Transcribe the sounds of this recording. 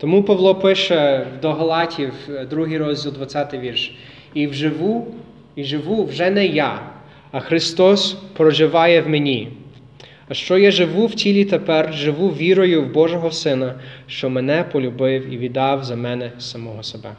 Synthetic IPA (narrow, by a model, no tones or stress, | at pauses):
t̪ɔmupɐʋlˠɔpɪʃɛwd̪ɔɦɐlˠɑtʲiwd̪ɾuɦijɾɔzʲdʲilˠd̪ʋɐt͡sʲat̪ɪjʋʲirʃ | iwʒɪʋu | iʒɪʋuwʒɛnɛja | ɐxɾɪst̪ɔspɾɔʒɪʋɑjɛwmenʲi | ɐʃt͡ʃɔjaʒɪʋuw̥tʲilʲit̪epɛrʒɪʋuʋʲiɾɔjʊwbɔʒɔɦɔsɪnɐʃt͡ʃɔmenɛpɔlʲʊbɪwiʋʲid̪ɑwzɐmɛnɛsɐmɔɦɔsebɛ̰